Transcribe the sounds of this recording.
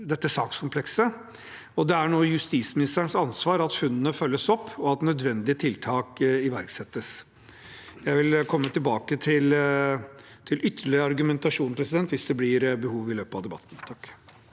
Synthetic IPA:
d̪ɛt̪ːəsɑːkskʰʊmpʰlɛksə | ɔd̪ɛæɳoːjʉst̪iːsmɪnɪst̪əɳsɑnsʋɑːɾɑt̪fʉnːənəfœlːəsɔpʰːɔɑt̪nœd̪ʋɛnd̪ɪət̪ʰɪlt̪ʰɑːkɪʋæɾksɛt̪ːəs | jæɪʋɪlkʰɔmːət̪ɪlbɑːkət̪ʰɪl | t̪ʰɪlʔʏt̪ʰːəɭɪəɑɾɡʉmɛnt̪ɑʂuːnpʰɾɛsɪd̪ɛnt̪ʋɪsd̪ɛblɪɾbəhuːʋɪløːpɑʋd̪ɛbɑ̰t̪ːn̩t̪ʰɑkː

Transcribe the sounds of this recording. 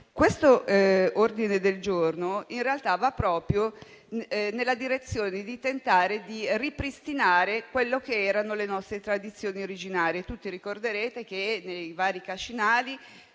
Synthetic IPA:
kwest̪oord̪ined̪eld͡ʒornoinrealt̪avapːɾɔːpɾjo | nelːad̪iɾet̪sːjoːned̪it̪ent̪aːɾed̪iripɾist̪inaːɾekwelːok̟eɛːɾanolenɔst̪ɾet̪ɾad̪it̪sːjoːnioɾid͡ʒinaːɾiet̪ut̪ːiɾikord̪eɾeːt̪ek̟enejvaːɾikat͡ʃinaːli

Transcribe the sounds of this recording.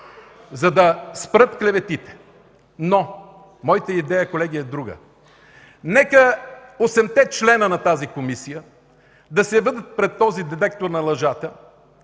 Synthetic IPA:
zɐd̪ɐspɾɤt̪klɛvɛt̪it̪ɛ̥ | no | mɔjit̪əid̪ɛjəkolɛɡiɛd̪ɾuɡə̰ | nɛkəosɛmt̪ɛt͡ʃlɛnənɐt̪azikomisijə | d̪ɐsɛvɤd̪ət̪̚pɾɛt̪ːɔzid̪ɛd̪ɛk̚t̪oɾnɐlˠɐʒat̪ə

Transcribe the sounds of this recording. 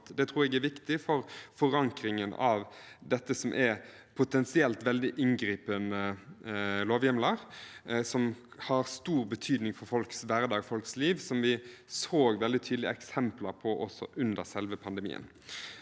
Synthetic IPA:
t̪d̪ɛt̪ʰɾuːɛɡæʋɪkt̪ɪfɔɾfɔɾɑŋkɾɪŋənɑʋd̪ɛt̪ːəsɔmʔæ | pʰʊt̪ɛnsɪɛlt̪ʋɛld̪ɪʔɪŋɡɾiːpənə | loːʋjɛmləɾsɔmhɑʁst̪uːɾbət̪ʰyːd̪nɪŋfɔɾfɔlksʋæɾd̪ɑːɡfɔlksliːʋsɔmʋɪsoːɡʋɛld̪ɪt̪ʰyːd̪lɪə̰ɛksɛmpləɾpʰɔʔɔsɔ̰ʔʉnd̪əʁsɛlʋəpʰɑnd̪əmḭːə̰n

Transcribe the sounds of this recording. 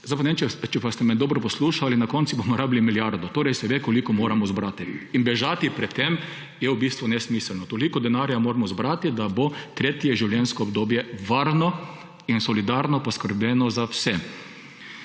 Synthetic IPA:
zaɪpanɛemt͡ʃɛt͡ʃɛpast̪ɛmɛnd̪oːbɾɔpɔsluːʃalinakɔnt̪subomɔɾaːbilimiljaɾd̪ɔt̪oːɾɛjsɛʋeːkɔlikɔmoːɾamɔzbɾat̪iːnbɛʒaːt̪ipɾɛt̪ːem | jɛwbiːst̪ʋʊnɛsmiːslnɔt̪olikɔd̪ɛnaɾjamoːɾmɔzbɾat̪id̪abot̪ɾeːt̪jɛʒiwljɛnskɔɔbd̪oːbjɛʋaɾnɔ | insɔlid̪aɾnɔpɔskəɾbjɛnɔzawsɛ

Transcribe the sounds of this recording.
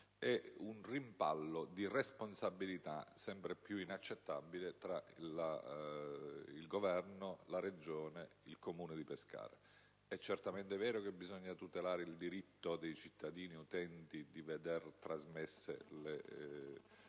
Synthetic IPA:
ɛunrimpa̰lːod̪iresponsabːilit̪a̰sɛmpɾepjuinat͡ʃːet̪ːabilet̪ɾala | ilɡovɛrnolaɾed͡ʒoːneilkomuːned̪ipeska̰ːɾḛ | ɛt͡ʃːert̪ament̪evɛːɾokebːizɔɲːat̪ut̪elaːɾeild̪iɾit̪ːod̪ejt͡ʃit̪ʰːad̪iːniut̪ɛnt̪id̪ived̪ert̪ɾazmesːḛle

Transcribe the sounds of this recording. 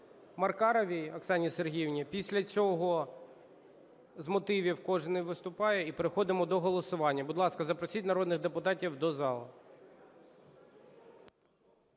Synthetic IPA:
mɐrkɑɾɐʋʲijɐksɑnʲiserɦʲiwnʲipʲisʲlʲɐt͡sʲɔɦɔ | zmɔt̪ɪʋʲiwkɔʒnɪjʋɪst̪ʊpɑjɛipeɾɪxɔd̪ɪmɔd̪ɔɦɔlˠɔsʊʋɑnʲːɐbud̪lˠɑskɐzɐpɾɔsʲitʲnɐɾɔd̪nɪɣd̪epʊt̪ɑtʲiwd̪ɔzɑlˠɐ̰

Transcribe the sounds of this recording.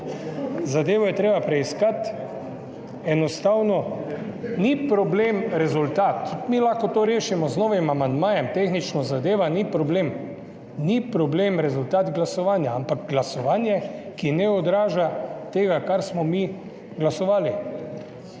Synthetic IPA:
zad̪eːʋɔjɛt̪ɾeːbapɾɛiskat̪ | ɛnɔst̪awnɔ | nipɾɔbleːmɾɛzult̪aːt̪t̪ut̪milaxkɔt̪oːɾeːʃimɔznoːʋimamand̪maːjɛmt̪eːxnit͡ʃnɔzad̪eːʋanipɾɔbleːm | nipɾɔbleːmɾɛzult̪aːt̪ɡlasɔʋaːnjaampakɡlasɔʋaːnjɛkinɛɔd̪ɾaːʒat̪eːɡakaɾsmɔmi | ɡlasɔʋaːli

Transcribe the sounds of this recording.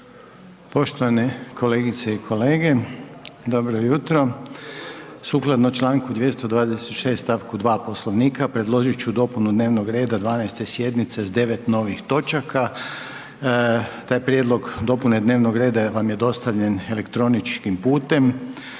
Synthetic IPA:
po̞ʃt̪oʋanekʰo̞leːɡit̪seikʰo̞leːɡe̞ | d̪obɾojut̪ɾo̞ | suklˠad̪not͡ʃlˠaːŋkud̪jest̪od̪ʋaːd̪eset̪ʃe̞ːst̪aʋkud̪ʋaːpo̞slˠoʋniːkapɾe̞d̪lˠo̞ʒit͡ʃud̪o̞punud̪neːʋnoɡɾe̞ːd̪ad̪ʋaːnajst̪e̞sje̞d̪nit̪se̞zd̪e̞ʋe̞t̪no̞ʋixt̪o̞t͡ʃaka | t̪aːjpɾʲjed̪lˠo̞ɡd̪o̞pune̞d̪ne̞ːʋnoɡɾe̞ːd̪aʋamje̞d̪o̞st̪aʋʎe̞ne̞le̞kt̪ɾo̞nit͡ʃkimpuːt̪e̞m

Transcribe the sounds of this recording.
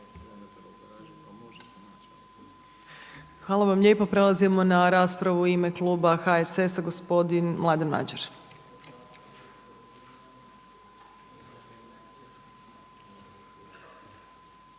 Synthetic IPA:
xʋaːlˠaʋamʎʲe̞ːpo̞pɾe̞lˠazimo̞naɾaːspɾaʋuimeklˠuːbaxaesesaɡospo̞d̪inmlˠad̪enma̰d͡ʒeɾ

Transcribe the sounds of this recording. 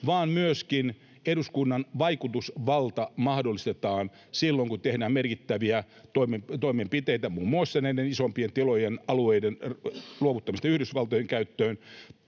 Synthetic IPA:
ʋɑːmmyøskin | eduskunːɑnʋɑikut̪usʋɑlt̪ɑmɑhdolːist̪et̪ɑːn | silːoŋkut̪ehdæːmmerkit̪ːæʋiæ | t̪oimet̪omempit̪eijt̪æmuːmːuɑsːeneinenisompient̪ilojenɑlueidenluoʋut̪ːɑmist̪ɑyhdysʋɑlt̪ojeŋkæyt̪ːøːn

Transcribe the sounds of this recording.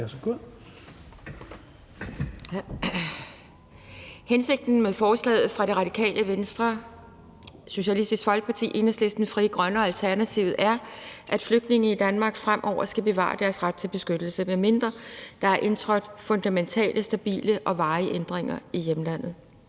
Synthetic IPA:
æsɡ̥o | hense̝ɡ̥̚d̥n̩mefɒːslɛ̰ːð̩ˠfʁɑ̈ɾ̥e̝ʁɑ̈d̥ikʰɛ̰ːlʔəʋensd̥ʁɐ | so̝ɕælisd̥isɡ̥fɒ̽lɡ̥ə̥pʰɑ̈t͡sʰḭːʔe̝nəsle̝sd̥n̩fʁiːɡ̥ʁɶnəɒ̽ælt͡sʰæɐnæt͡sʰiʊð̩ˠʔæɐʔæd̥fløɡ̥̚d̥ne̝ŋn̩id̥ænmɑ̈ːɡ̥fʁamʔɒʊ̰ɐsɡ̥æb̥e̝ʋɑ̰̈ːɑd̥æɐsʁad̥̚t͡sʰe̝lb̥e̝sɡ̥ød̥l̩səmeme̝nd̥ʁɐd̥ɑ̈æɐʔe̝nt͡sʰʁœd̥fɔ̽nd̥æment͡sʰɛ̰ːlʔəsd̥æb̥ḭːləʔɒ̽ʋɑ̈ːɪʔend̥ʁeŋɐijemlæn̰ð̩ˠ

